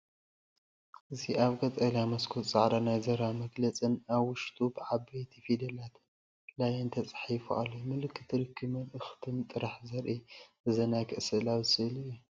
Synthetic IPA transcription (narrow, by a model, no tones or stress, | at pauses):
ʔɨziʔaβɡɐt̪ʼɐljamɐskʰott͡sʼaʕɾanajzɐɾamɐɡlɐt͡sʼɨnaβwʊʃt̪ʰʼubɨʕaβbejt̪ʰifid̪ɐlat̪ʰ | lajɐnt̪ʰɐt͡sʼḁħifṵʔa̰lːomɨlɨkʰːɨ̥t̪ʰɨɾɨkʰːɨmɐnɨxt̪ʰɨnt̪ʼɨɾaħzɐɾʔiʔɨzɐnajkʰɨʔsɨʔlawsɨɨlɨju